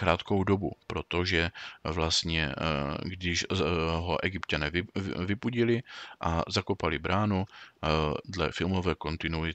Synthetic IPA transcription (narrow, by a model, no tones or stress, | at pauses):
kɾaːt̪kowdobupɾot̪oʒɛvlast̪ɲɛɡdɪʃɦoʔɛɡɪpcanɛːvvɪpuɟɪlɪʔazakopalɪbɾʔaːnu | dlɛfɪlmovɛːko̞nt̪ɪnuɪ